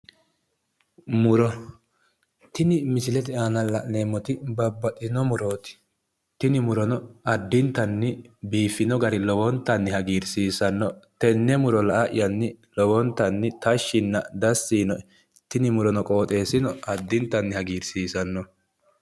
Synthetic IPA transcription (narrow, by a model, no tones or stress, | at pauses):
mʊɾɔ | t̪ɪnɪmɪsɪlɛt̪ɪaːnɐlɐʔneːmːɔt̪ɪbɐbːɐt̪ɪnɔmʊɾo̞ːt̪ɪ̥ | t̪ɪnɪmʊɾɔnɔɐd̪ːɪnt̪ːɐnːɪbiːfɪnɔɡɐɾɪlɔwɔnt̪ːɐnːɪhɐɡiːɾsiːsɐnːɔt̪ɛnːɛmʊɾɔlɐʔaʔɪ̰jɐnːɪ | lɔwɔnt̪ːɐnːɪt̪ɐʃːɪnːɐd̪ɐsːiːnɔ | t̪ɪnɪmʊɾɔnɔkʼoːt̪ʼe̞ːsɪnɔɐd̪ːɪnt̪ːɐnːɪhɐɡiːɾsiːsɐnːɔ